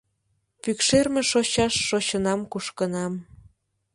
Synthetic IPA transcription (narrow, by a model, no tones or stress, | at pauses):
pykʃermeʃoɕɑʃːoɕənɑmkuʃkənɑm